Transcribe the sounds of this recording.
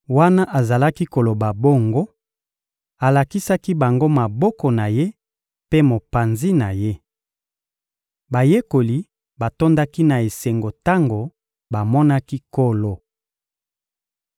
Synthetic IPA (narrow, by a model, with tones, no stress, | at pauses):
wa˦na˦ʔa˨za˨la˦ki˦ko˨lo˨ba˨bo˦ŋɡo˦ | a˨la˨ki˦sa˦ki˦ba˨ŋɡo˦ma˨bɔ˦kɔ˨na˨je˦ | pe˦mo˨pa˨nzi˦na˨je˦ | ba˨je˦ko˨li˨ | ba˨to˦nda˦ki˦na˨e˨se˨ŋɡo˨ta˦ŋɡo˨ | ba˨mɔ˦na˦ki˦ko˦lo˨